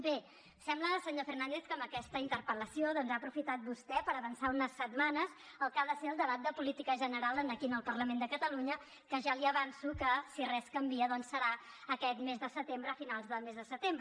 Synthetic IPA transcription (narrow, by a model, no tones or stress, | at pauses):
be | sɛmbləsəɲofərnand̪eθkəmbəkɛst̪əint̪əɾpələsioðɔnzaːpɾufit̪at̪̚bust̪ɛpəɾəβənsaunəsːət̪manəz | əlˠkaðəseəlˠd̪əβ̞at̪̚d̪əpulit̪ikəʒənəɾalˠənəkinəlˠpərləmend̪əkət̪əluɲə | kəʒaliəβansukəsirɛskəmbiəðɔnsːəɾa | əkɛt̪mezðəsət̪embɾəːfinalˠzðəlˠmezðəsət̪embɾə